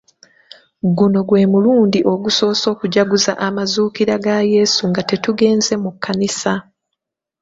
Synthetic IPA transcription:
ɡuno̞ɡwe̞ːmuluːndiʔo̞ɡuso̞ːso̞ːkuɟaɡuza̰ʔamazuːkiɾaɡaje̞ːsuŋɡate̞tuɡe̞ːnze̞mukʰːanisa

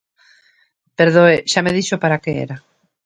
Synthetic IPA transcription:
peɾðoeʃameðiʃopaɾakeḛɾa

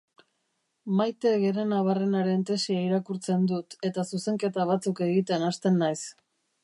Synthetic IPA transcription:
majt̪e̞ɣeɾe̞naβare̞naɾe̞nt̪e̞siaiɾakuɾt͡se̞nd̪ut̪e̞t̪asuse̞ŋke̞t̪aβ̞at͡suke̞ɣit̪e̞nast̪e̞nːajs

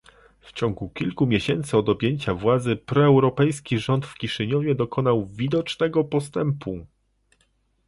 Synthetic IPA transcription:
ft͡ɕɔŋɡukʲilkumʲjeɕɛnt̪sɘɔd̪ɔbʲjeɲt͡ɕavwad̪zɘpɾɔɛwɾɔpɛjskʲiʐɔnt̪fkʲiʂɘɲɔvʲjɛd̪ɔkʰɔn̪awvʲid̪ɔt͡ʂnɛɡɔpɔst̪ɛmpu

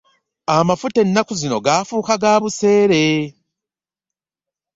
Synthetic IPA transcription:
amafute̞nːakuzino̞̰ɡaːfuːkaɡaːβuse̞ːɾe̞

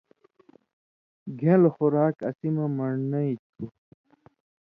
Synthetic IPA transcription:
ɡʱẽlxuɾaːkɐ̰simɐmɐɳnɐit̪u

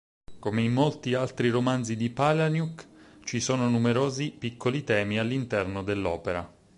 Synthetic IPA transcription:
komeimːolt̪ialt̪ɾiɾomanzid̪ipalanjukt͡ʃisoːnonumeɾoːzipikʰːolit̪ɛːmialːint̪ɛrnod̪elːɔːpeɾa̰

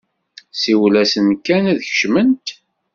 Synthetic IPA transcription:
siwlæsənkænæðçə̥ʃmənt̪

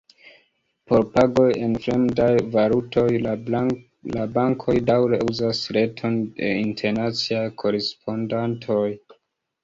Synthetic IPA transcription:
po̞ɾpaɡo̞je̞nfɾe̞mdajvaɾuto̞j | labaŋkʰo̞jdawɾe̞ʔuzasɾe̞tʰo̞ndde̞̰intʰe̞ɾnat͡siajkʰo̞ɾe̞spʰo̞ndantʰo̞j

